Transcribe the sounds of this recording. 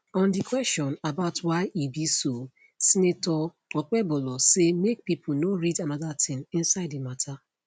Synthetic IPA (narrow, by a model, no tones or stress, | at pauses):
ɔ̃ndikwɛstɔ̃nabaʊtwaɪʔibiso | sinetɔ | ɔk͡pɛbɔlɔsemek̚pipʰunoɹidanaðatʰɪ̃ŋĩnsaɪdimatʰa